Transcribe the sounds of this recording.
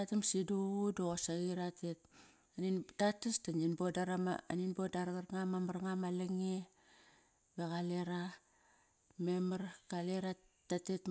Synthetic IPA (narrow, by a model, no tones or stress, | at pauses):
atamsidudoɣosaɣiɾatet̚ | anintatastaninbodaɾama̰a̰ninbodaɾaɣaɾŋamamaɾŋamaleŋe | beɣaleɾa | memaɾkaleɾatatet